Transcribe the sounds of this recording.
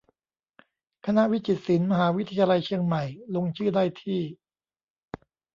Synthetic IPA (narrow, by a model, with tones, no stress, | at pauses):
kʰa˧na˦˥ʔwi˦˥t͡ɕi˨˩t̪̚si˩˦nma˧ɦaː˩˦wi˦˥t̪ʰa˧ja˧la˧jt͡ɕʰi˧əŋma˨˩jlo˧ŋt͡ɕʰɯː˥˩daː˥˩jt̪ʰiː˥˩